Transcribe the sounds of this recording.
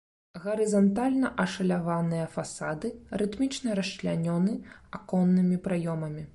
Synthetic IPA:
ɣɐɾɨzɐnt̪alʲnɐʔɐʂɐlʲavanɨjɐfasad̪ɨɾɨt̪mʲit͡ʂnɐɾɐʂt͡ʃlʲanʲɔnɨakɔnːɨmʲipɾajɔmɐmʲi

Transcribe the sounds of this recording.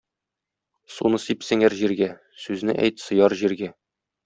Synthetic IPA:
sunɤsipsɘ̆ŋæɾʑiɾɡæ | sʉznɘʔæ̰jt̪sɤ̆jɑɾʑiɾɡæ

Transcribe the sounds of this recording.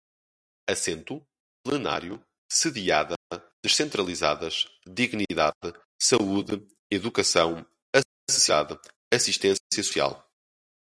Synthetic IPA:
ɐsẽnt̪u | plˠɨna̰ɾju | sɨðiaðɐd̪ɨʃsẽnt̪ɾɐlˠiza̰ðɐʃðiɣniðaðɨ | sɐuðɨ | iðukɐsɐ̃w̃ | ɐ | sɨ̥siða̰ðɨ | ɐsiʃt̪ẽssjɐsu̥sia̰lˠ

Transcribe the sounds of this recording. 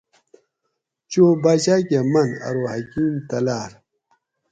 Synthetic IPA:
t͡ɕoːbaʑakemɐnɐ̰ɾoɦɐkkiːmt̪ɐlaːɾ

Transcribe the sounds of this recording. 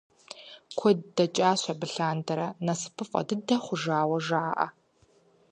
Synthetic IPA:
kʷʰɔdːɐt͡ʃʼaːɕʷɐbɨɬaːndɐɾɐnɐsɨ̥pʰɨfʼɐ̰dɨdɐχʷʊʒaːwɐʒaːʔɐ̰

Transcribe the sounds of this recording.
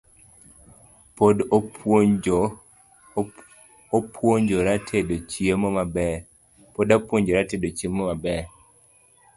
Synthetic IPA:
pod | opʰwoɲd͡ʒoɾatʰedot͡ʃiemɔmabɛɾ | podapwoɲd͡ʒoɾatedot͡ʃiemɔmabɛɾ

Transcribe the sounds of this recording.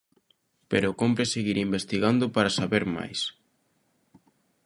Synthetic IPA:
peɾokompɾeseɣiɾimbest̪iɣand̪ʊpaɾasaβeɾma̰js

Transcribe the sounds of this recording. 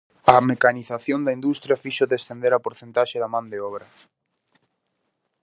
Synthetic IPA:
ɐmekaniθaθjond̪ɐind̪ust̪ɾjɐfiʃoðest̪end̪eɾapoɾθent̪aʃeðamãnd̪eɔβɾɐ

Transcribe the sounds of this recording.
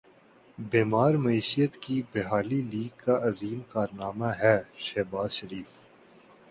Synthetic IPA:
beːmaːɾmɐiːʃijət̪kibeɦaːliliːɡ̚kaʔɐziːmkaːɾnaːmaɦɛːʃɛːbaːzʃɐɾiːf

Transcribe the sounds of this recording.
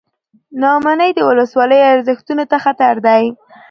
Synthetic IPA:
nɑmanəjd̪əwʊləswɑləjaɾzəxt̪unot̪axat̪aɾd̪aj

